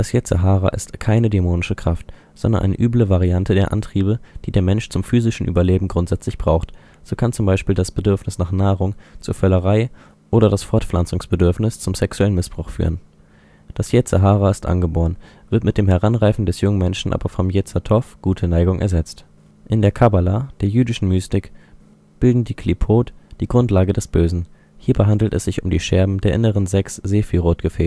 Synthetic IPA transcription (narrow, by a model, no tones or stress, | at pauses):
d̥asjɛt͡sa̰ɦaːʁa̰ʔɪstkʰaɪnədɛmoːnɪʃəkʁ̥aft | z̥ɔndɐ̰nʔa̰ɪnə̰ʔyːbləvaʁiantʰədeːɐʔa̰ntʁ̥iːbəd̥iːdeːɐmɛnʃt͡sʊmfyːzɪʃn̩ʔy̰ːbɐleːbm̩ɡʁʊntz̥ɛt͡slɪçb̥ʁaʊxt | z̥oːkʰant͡sʊmbaɪʃpiːldasb̥ədʏɐfnɪsnaːχnaːʁʊŋt͡suːɐfœləʁaɪ | ʔoːɾɐdasfɔɐtflant͡sʊŋsb̥ədʏɐfnɪst͡sʊmsɛksuɛlənmɪsb̥ʁʊxfy̰ːʁən | d̥asjɛt͡səɦaːʁaɪstʔa̰nɡəboːʁən | v̥ɪɐtmɪt̚d̥eːmɦɛʁanʁaɪfn̩dɛsjʊŋənmɛnʃn̩ʔa̰ːbɐfɔmjɛt͡sɐtʰɔfɡ̥uːtʰənaɪɡʊŋʔɛ̰ɐzɛt͡st | ʔɪndeːɐkʰabalad̥eːɐjyːdɪʃn̩myːstɪk | b̥ɪldn̩diːkʰl̥ipʰoːtd̥iːɡʁʊntlaːɡədɛsb̥øːzn̩ | hiːɐbəɦandl̩tɛ̰sz̥ɪçʊmdḭːʃɛɐbm̩deːɐʔɪnəʁənzɛksz̥eːfilʁoːt̚ɡ̥əfɛː